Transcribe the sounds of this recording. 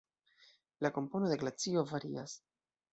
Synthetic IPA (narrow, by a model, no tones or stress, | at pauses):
lako̞mpo̞no̞de̞ɡlat͡sio̞vaɾḭas